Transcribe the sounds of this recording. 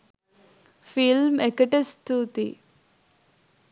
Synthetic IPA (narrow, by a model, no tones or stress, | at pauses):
filmekɐʈest̪uːt̪ḭ